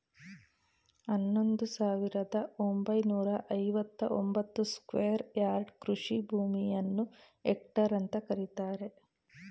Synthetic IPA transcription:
ɐnːo̞nd̪usaːʋiɾɐd̪ɐombɐjnuːɾɐʔɐjʋɐt̪ːɐʔombɐt̪ːuskʋeːɐɾjaːɾɖkɾuʂibʱuːmijɐnːu | ek̚ʈɐɾɐnt̪ɐkɐɾit̪aːɾe̞

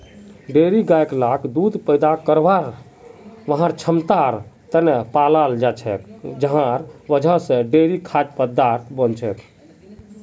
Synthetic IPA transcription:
ɖeɾiɡajklakʰd̪ud̪pəjd̪akəɾʋaɾ | ʋəɦãɾt͡ʃʰəmt̪aɾt̪ənepalald͡ʒat͡ʃʰɛ̰kd͡ʒəɦãɾʋəd͡ʒʱãsẽɖeɾikʰad͡ʒpəd̪aɾt̪ʰbənt͡ʃʰɛk

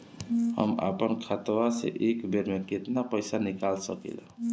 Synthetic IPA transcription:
hʌ̰ma̰pʌnkʰat̪wasḛʔekbʱeɾmeket̪napʌjsanikalsʌkḭl

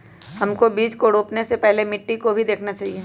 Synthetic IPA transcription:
hɐmkobiːd͡ʒkoɽoːpnesepɛɦlemɪʈːikobʱid̪eːkʰnat͡ʃaːɦieː

